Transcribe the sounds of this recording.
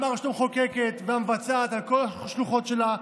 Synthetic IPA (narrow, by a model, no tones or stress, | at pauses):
maʁʃlumχokeke̞tveamevat͡saat̪alkolaʃluχo̞t̪ʃe̞la